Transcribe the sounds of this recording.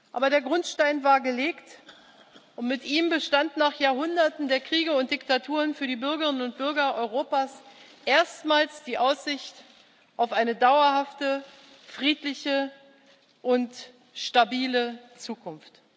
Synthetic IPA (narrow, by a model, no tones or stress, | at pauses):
ʔa̰ːbɐɾeːɐɡʁʊntʃtaɪnvaːɐɡəleːkt | ʔʊntmɪtʔiːmbəʃtantnaːχjaːɐɦʊndɐtn̩deːɐkʁ̥iːɡəʊnt̚d̥ɪktatʰuːʁənfyːɐdiːbʏɐɡəʁɪnənʊnt̚b̥ʏɐɡɐʔɔʏʁoːpaːs | ʔeːɐstmaːlsd̥iːʔaʊsz̥ɪçt | ʔaʊfʔaɪnədaʊɐhaftə | fʁ̥iːtlɪçə | ʔʊnt | ʃtabiːlət͡suːkʰʊnft